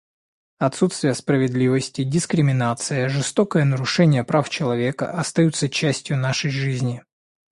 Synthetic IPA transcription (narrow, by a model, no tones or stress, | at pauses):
ɐt̪sut̪st̪vʲɪjəspɾəvʲɪd̪lʲivəsʲtʲɪdʲɪskɾʲɪmʲɪnat̪sɨjəʐɨst̪okəjənəɾʊʂɛnʲɪjəpɾaft͡ɕɪlˠɐvʲe̞kə̰ʔɐst̪ɐjut̪sət͡ɕːæsʲtʲjʊnaʂəjʐɨzʲnʲɪ